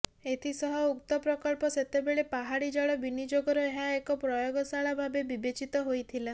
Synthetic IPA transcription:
et̪ʰisɔɦɔukt̪ɔpɾɔkɔlpɔset̪ebeɭepaɦaɽid͡ʒɔɭɔbinid͡ʒoɡɔɾoeɦaekɔpɾɔjoɡɔsaɭabʱabebibet͡ʃit̪ɔɦojt̪ʰila

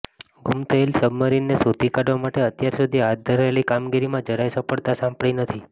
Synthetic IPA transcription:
ɡʱumt̪ʰəelsəbməɾinːesut̪ikaɖʋamaʈeət̪jaɾsud̪ʱiɦat̪̚d̪ʱəɾaelikamɡiɾimãd͡ʒəɾajsəpəɭt̪asãmpɽɭinət̪ʰi

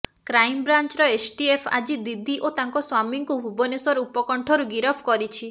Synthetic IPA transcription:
kɾajmbɾant͡ʃɾɔesʈiepʰa̰d͡ʒid̪id̪ʱiʔot̪aŋkɔswamiŋkuɦubɔnesɔɾupɔkɔɳʈʰɔɾuɡiɾɔpʰkɔɾit͡ʃʰi

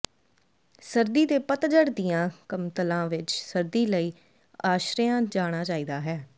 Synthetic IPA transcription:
səɾd̪iːd̪eːpət̪d͡ʒəɽd̪ijãːkəmt̪əlãːʋɪt͡ʃsəɾd̪iːləiː | aːʃɾɪjãːd͡ʒaːɽ̃aːt͡ʃaːiːd̪aːɦɛː

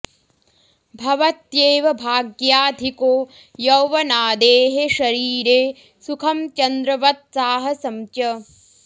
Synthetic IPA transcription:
bʱɐʋɐt̪jeːʋɐbʱaːɡjaːd̪ʱikoː | jɐwʋɐnaːd̪eːɦeʃɐɾiːɾeː | sukʰɐmt͡ʃɐnd̪ɾɐʋɐt̪̚saːɦɐsɐmt͡ʃɐ

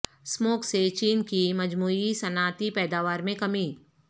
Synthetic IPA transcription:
smoːkset͡ʃiːnkimɐd͡ʒmuːisɐnaːt̪ipɛːd̪aːʋaːɾmẽkɐmi

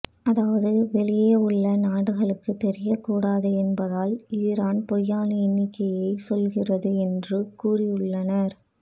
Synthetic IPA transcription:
ʔɐðaːʋɐðɯʋɛlɪjeʊɭːɐnaːɽɯɣɐɭɯkːɯt̪ɛɾɪjɐkːuːɽaːðɯɛnbɐðaːliːɾaːnpɔjːaːnɐɪnːɪkːɐjɐɪsɔlɣɪrɐðɯɛndrɯkuːrɪjɯɭːɐnɐɾ

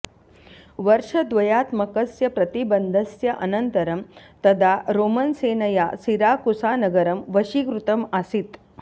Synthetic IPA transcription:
ʋɐɾʂɐd̪ʋɐjaːt̪mɐkɐsjɐpɾɐt̪ibɐnd̪ʱɐsjɐʔɐnɐnt̪ɐɾɐmt̪ɐd̪ʱaɾoːmɐnseːnɐjasiɾaːkusaːnɐɡɐɾɐmʋɐʃikɾut̪ɐmasit̪

